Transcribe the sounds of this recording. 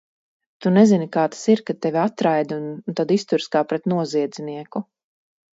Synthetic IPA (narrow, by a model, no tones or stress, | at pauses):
t̪unɛzinikaːt̪ḁsiɾkat̪ːɛvʲiat̪ɾajd̪unt̪ad̪ist̪uɾskaːpɾɛt̪nuɔziɛd̪ziniɛku